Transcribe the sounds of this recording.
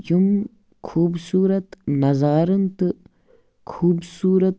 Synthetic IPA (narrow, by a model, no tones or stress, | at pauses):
jum | kʰuːbsuːɾɐt̪nɐzaːɾɐnt̪ɨ | kʰuːbsuːɾɐt̪